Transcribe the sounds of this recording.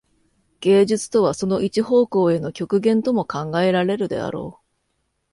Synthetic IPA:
ɡ̥e̞ːʑɨt͡sɨ̥t̪o̞βaso̞no̞ʔit͡ɕiɦo̞ːko̞ːe̞no̞kʲo̞kɯ̟ɡẽ̞nt̪o̞mo̞kãŋɡae̞ɾaɾe̞ɾɯ̟d̪e̞̰a̰ɾo̞̰ː

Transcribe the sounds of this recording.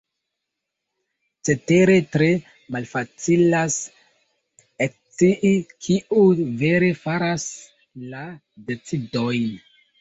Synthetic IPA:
t͡se̞te̞ɾe̞tɾe̞ | malfat͡silas | ek̚t͡siʔkʰiuve̞ɾe̞faɾas | la | de̞t͡sido̞jn

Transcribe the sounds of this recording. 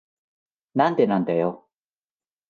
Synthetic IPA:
nant̪enant̪ajo

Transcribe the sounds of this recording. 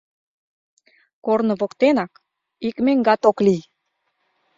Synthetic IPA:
kornɤ̆βokt̪enɑk | ikmeŋɡɑt̪oklij

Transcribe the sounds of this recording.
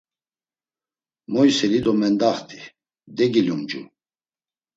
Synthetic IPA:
mɔjsɛlid̪ɔmɛnd̪aχt̪ʰi | d̪ɛɡilumd͡ʒu

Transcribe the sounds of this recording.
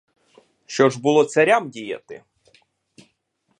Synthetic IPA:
ʃt͡ʃɔʒbʊlˠɔt̪sɐɾʲamdʲijɐ̰t̪ɪ̰

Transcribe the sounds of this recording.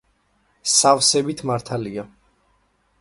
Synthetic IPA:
savsɛbit̪ʰmaɾt̪ʰalia

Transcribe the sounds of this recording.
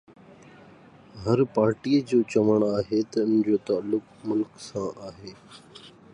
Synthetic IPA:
ɦəɾpaːɾʈiːəd͡ʑoːt͡ɕɐʋəɽ̃aːɦet̪ɐʊnd͡ʑoːt̪aːlːʊk | mʊlksãːʔaːɦeː

